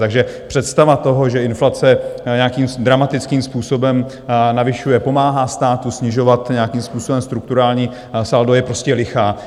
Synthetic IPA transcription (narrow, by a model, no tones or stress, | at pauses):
t̪aɡʒɛpr̥ɛt̪st̪avat̪o̞ɦoʒɛɪnflat͡sɛɲɛakiːmd̪ɾamat̪ɪt͡skiːmspuːso̞bɛm | navɪʃujɛpo̞maːɦast̪aːt̪usɲɪʒo̞vat̪ɲɛakiːmspuːsobɛmst̪ɾukt̪uɾaːlɲiː | saldojɛpɾo̞scɛlɪxaː